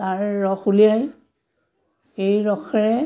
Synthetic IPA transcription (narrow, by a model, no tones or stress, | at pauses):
aɹːɔxulijaj | ejɹɔxɛɹɛ